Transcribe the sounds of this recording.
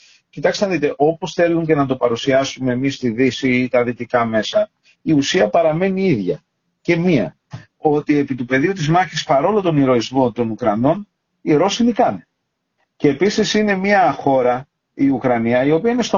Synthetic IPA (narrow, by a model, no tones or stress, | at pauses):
cit̪ɐksenɐðit̪e̞ʔo̞po̞sθe̞luɲce̞nɐt̪o̞pɐɾusiɐsume̞ːmist̪iðisiit̪ɐðit̪ikɐme̞sɐ | iusiɐpɐɾɐme̞niiðʝɐ̰ | ce̞miɐ̰ | o̞t̪ie̞pit̪upe̞ðiut̪izmɐçispɐɾo̞lot̪o̞niɾo̞izmo̞t̪o̞nukɾɐno̞n | iɾo̞sinikɐn | ce̞ːpisisine̞miɐxo̞ɾɐ | iukɾɐniɐio̞piɐine̞st̪o